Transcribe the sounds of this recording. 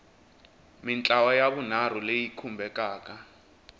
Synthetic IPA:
mint͡ɬʼawajaβunar̤ulejikʰumbʱɛkʼaːk̬ʼa

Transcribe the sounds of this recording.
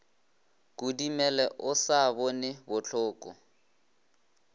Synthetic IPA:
kudimɛlɛʔʊsabɔnɪbʊt͡ɬʰʊːkʼɔ̰

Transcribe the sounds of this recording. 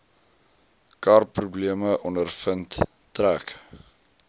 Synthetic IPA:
kɑrpːrubliəməʔɔndərfənt | træk

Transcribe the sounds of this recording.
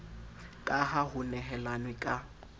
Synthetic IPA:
kʼaɦaɦʊnɛɦɛlanwɪkʼa

